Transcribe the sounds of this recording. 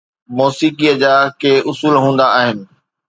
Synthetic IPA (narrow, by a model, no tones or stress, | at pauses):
moːsiːkijəd͡ʑaːkeːʔʊsuːlɦũːnd̪aaːɦɪnɪ̆